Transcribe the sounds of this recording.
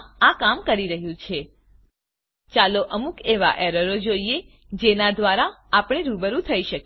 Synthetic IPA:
akamkəɾiɾəɦjũt͡ʃʰe | t͡ʃaloʔəmukeʋa̰ʔeɾəɾod͡ʒoie | d͡ʒenad̪ʋaɾaːpɽ̃eɾubəɾũt̪ʰəiʃək

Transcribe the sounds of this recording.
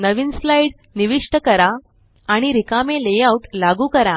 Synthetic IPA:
nəʋiːnslaiɽ | niʋiʂʈəkəɾaː | ɽ̃iɾikamelejawʈlaɡuːkəɾa

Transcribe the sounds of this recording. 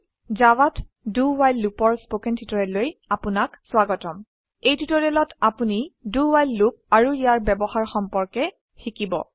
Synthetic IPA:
zawat | duwajlːupɔɹspokɛntʰutɔɹɛlojapunakswaɡɔtɔm | ejtʰutɔɹɛlɔtapuniduwajlːup̚aɹuijaɹbɛbɔxaɹxɔmpɔɹkɛ | xikibɔ̰

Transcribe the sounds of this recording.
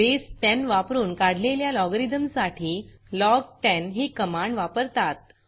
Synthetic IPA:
besʈɛnʋapɾuːnkaɽ̤leljalɔɡəɾid̪əmsaʈʰiː | lɔɡ̚ʈɛnɦiːkəmaɳɖʋapəɾt̪at̪̚

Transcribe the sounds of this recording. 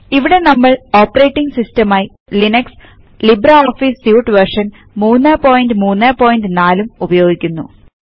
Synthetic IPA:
iʋiɽe̞nɐmːɐɭo̞ːpːɐɾe̞ːʈːiŋɡsistɐmaːji | linɐks | libɾɐoːfisjuːʈːɨʋɐrʂɐn | muːnːɐpo̞ːjinɖɨmuːnːɐːpo̞ːjnɖɨnaːlumubɐjo̞ːɡikʲːunːṵ

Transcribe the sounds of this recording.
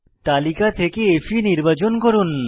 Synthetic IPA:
t̪alikat̪ʰekeefʰiniɾbat͡ɕonkoɾun

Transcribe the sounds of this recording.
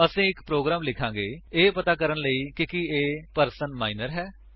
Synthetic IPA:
əsĩːɪkpɾoːɡɾaːmlɪkʰãːŋɡeːeːpət̪aːkəɾənləiːkɪkɪeːpəɾsənmaːinəɾɦɛː

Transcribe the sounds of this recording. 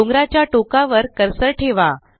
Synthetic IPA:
oŋɡɾat͡ɕjaʈokaʋəɾkəɾsəɾʈʰeʋa

